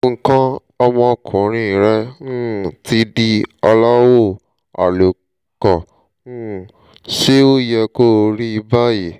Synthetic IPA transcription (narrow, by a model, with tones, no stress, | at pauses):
ŋ̩˧kã˦ | ɔ˧mɔ̃˧ɔ˧kʰɔ̃˨˦ɾ̃ĩ˧˨ɾɛ˦n̩˦˨ti˧di˧ɔ˧la˦wo˦˨ | a̰˨lo˨ | kɔ˨ | n̩˦˨ | ʃe˦o˦jɛ˧ko˦˨˧ɾi˦i˧ba˦je˨